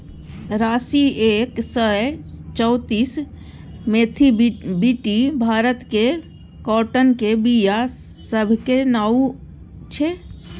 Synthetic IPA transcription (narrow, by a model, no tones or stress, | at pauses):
ɾaːsieːksəjt͡ʃəːt̪iːs | meːt̪ʰibiʈibʱaːɾət̪ke | kɔːʈənkebija | səbʱkenaːu | t͡ʃʰeː